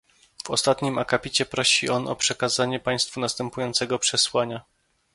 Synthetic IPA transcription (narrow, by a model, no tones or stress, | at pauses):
vɔ̰st̪at̪ɲimakapʲit͡ɕɛpɾɔɕiɔnɔ̰pʂɛkazaɲɛpaj̃st̪funast̪ɛmpujɔnt̪sɛɡɔpʂɛswaɲa